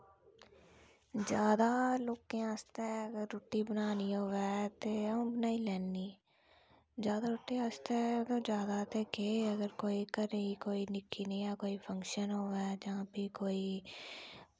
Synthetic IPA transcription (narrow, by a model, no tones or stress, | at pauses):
d͡ʒjaːd̪aːloːkẽːast̪eːəɡəɾːoʈːiːbənaːniːɦoːʋɛːt̪eːõːbənaːiːlɛːnːiː | d͡ʒjaːd̪aːɾoːʈːẽast̪et̪õːd͡ʒjaːd̪aːt̪eːkeːəɡəɾkoːiːkəɾəiːkoːiːnɪkʰːiːnəĩːjaːkoːiːpʰəŋkʃənɦoːʋɛːd͡ʒãːpiːkoːiː